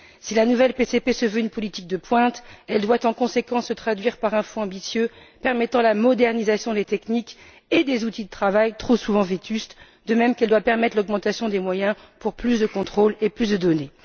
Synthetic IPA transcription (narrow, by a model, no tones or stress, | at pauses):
silanuvɛlpesepesəvøynpɔlit̪ik̚d̪əpwɛ̃t̪ɛld̪wat̪ɑ̃kɔ̃sekɑ̃sːət̪χad̪ɥiʁpaʁɛ̃fɔ̃ɑ̃bisjø | pɛʁmɛt̪ɑ̃lamɔd̪ɛʁnizasjɔ̃d̪et̪ɛknik | ed̪ezut̪id̪ət̪χavajt̪χosuvɑ̃vet̪yst̪ | d̪əmɛmkɛld̪wapɛʁmɛt̪χlɔɡmɑ̃t̪asjɔ̃d̪emwajɛ̃ | puʁplysd̪əkɔ̃t̪χoleplysd̪əd̪ɔne